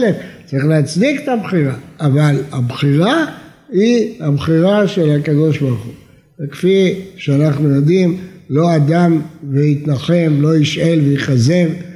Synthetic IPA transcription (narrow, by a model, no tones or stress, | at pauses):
left͡saʁiχleat͡sdiket̪abχiʁaːvalabχiʁa | hihabχiʁaʃe̞lakad̪o̞ʃbaʁuχu | vekfiʃeanaχnujo̞d̪imlo̞ad̪amveit̪naχe̞mlo̞iʃʔe̞lveiχaze̞v